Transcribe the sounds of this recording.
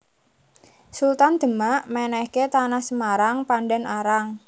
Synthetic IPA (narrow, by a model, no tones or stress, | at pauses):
sult̪and̪̥ə̤maʔmɛnɛhket̪anahsəmaɾaŋpandɛnʔaɾaŋ